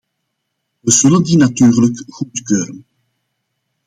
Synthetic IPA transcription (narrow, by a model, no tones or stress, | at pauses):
ʋəz̥ɵləndinatyːrləkɣutkøːɾən